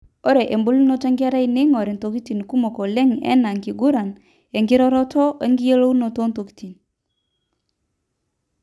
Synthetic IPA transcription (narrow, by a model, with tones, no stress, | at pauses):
ɔ˦ɾe˨ʔe˨mbo˦lu˦no˦t͡ʃe˦ŋɡɾa˦i˦ne˦ŋɔ˨ɾi˨nto˨ki˦ti˨nku˦mɔ˨kɔ˨lɛ˦ŋɛ̰˦na˨ŋki˨ɡu˦ɾa˨n | e˨ŋɡɪ˦ɾɔ˦ɾɔ˦tʰɔ˦ʔe˦ŋɡi˦je˦lo˦u˦no˨to˦nto˨ki̥˦ti˨n